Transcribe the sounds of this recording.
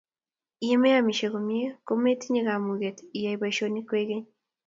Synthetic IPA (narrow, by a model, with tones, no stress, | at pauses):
ije˦me˦ja˨mi˨ʃe˨ɣo˨mje˦ko˦me˦ti˦ɲi˦ɣa˨mu˨ɣe˨tii˨ja˨i˨βa˨ʃo˦ni˦kwe˦ɣe˦ɲ